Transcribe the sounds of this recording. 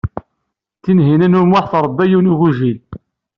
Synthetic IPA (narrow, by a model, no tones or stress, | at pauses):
θinɦinænʊɾmʊħθəɾˤəd̪ːæjunuɣuʒil